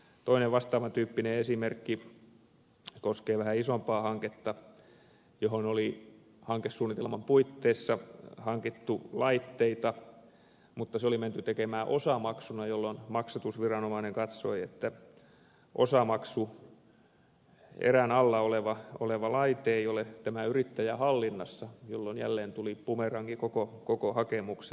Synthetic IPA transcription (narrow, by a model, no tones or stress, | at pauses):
t̪oineʋʋɑst̪ɑːʋɑnt̪yːpːineesimerkːi | koskeːʋæhæisompɑːhɑŋket̪ːɑ | johonoli | hɑŋkessuːnit̪elmɑmpuit̪ːeːsːɑhɑŋkit̪ːulɑit̪ːeit̪ɑ | mut̪ːɑseoliment̪yt̪ekemæːʔosɑmɑksunɑjolːonmɑksɑt̪usʋirɑnomɑineŋkɑt̪soiet̪ːæ | ʔo̰sɑmɑksu | ḛrænɑlːɑoleʋɑo̰leʋɑlɑit̪eːiolet̪æmæyrit̪ːæjæhɑlːinːɑsːɑjolːonjæ̰lːeːnt̪ulipumerɑŋkikokokokohɑkemukse